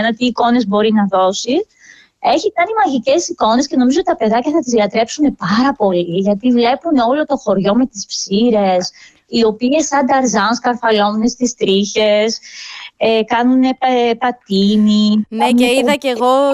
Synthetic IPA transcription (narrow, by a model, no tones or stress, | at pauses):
nɐt̪iːko̞ne̞zbo̞ɾinɐðo̞si | e̞çikɐnimɐʝice̞siko̞ne̞sce̞no̞mizot̪it̪ɐpe̞ðɐcɐθɐt̪izðiɐt̪ɾe̞psune̞pɐɾɐpo̞liʝɐt̪ivle̞puneo̞lo̞t̪o̞xo̞ɾʝo̞me̞t̪ispsiɾe̞s | io̞pie̞sɐnd̪ɐɾzɐnskɐɾfɐlo̞nune̞st̪ist̪ɾiçe̞s | ekɐnune̞pɐt̪inineeiðɐceɣo